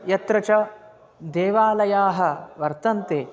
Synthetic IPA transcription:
jɐt̪ɾɐt͡ʃɐ | d̪eːʋaːlɐjaːɦɐ̆ʋɐɾt̪ɐnt̪eː

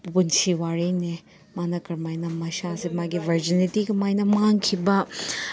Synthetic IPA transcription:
punsiwaɾejne | manɐkɐɾmajnɐmɐʃasemaɡibʱɐɾd͡ʒinitiɡɐmajnɐmaŋkʰibɐ

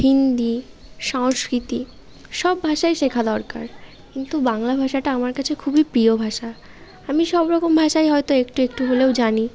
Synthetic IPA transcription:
hind̪i | ʃaŋskɾit̪i | ʃɔbːʱaʃajʃekʰad̪ɔɾka̰ɾ | kint̪ubaŋlabʱaʃaʈaamaɾkat͡ɕʰekʰubipɾiobʱaʃa | amiʃɔbɾɔkombʱaʃajɦɔet̪oekʈuekʈuɦolewd͡ʑani

